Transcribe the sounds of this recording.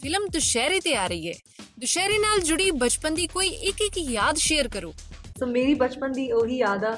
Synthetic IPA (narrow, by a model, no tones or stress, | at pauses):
pʰɪləmd̪ʊʃɛːɾeːt̪eːaːɾəiːɦɛ̰ː | d̪ʊʃɛːɾeːnaːld͡ʒʊɽiːbət͡ʃpənd̪iːkoːiːʔɪkɪkjaːd̪ʃeːəɾkəɾo̰ːsoːmeːɾiːbət͡ʃpənd̪iːoːɦiːjaːd̪aː